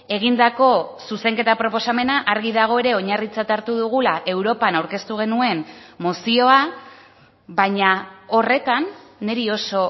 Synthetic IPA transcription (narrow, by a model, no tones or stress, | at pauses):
e̞ɣ̞ind̪ako̞suse̞ŋke̞t̪apɾo̞po̞same̞naʔaɾɣiðaɣ̞o̞e̞ɾe̞o̞ɲarit͡sat̪aɾt̪uðuɣ̞ulaʔe̞wɾo̞panawɾke̞st̪uɣ̞e̞nue̞nmosio̞a | βaɲao̞re̞t̪anːe̞ɾio̞so̞